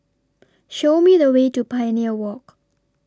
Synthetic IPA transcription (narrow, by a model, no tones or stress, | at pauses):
ʃomiðəwetupʰajəniəwɔk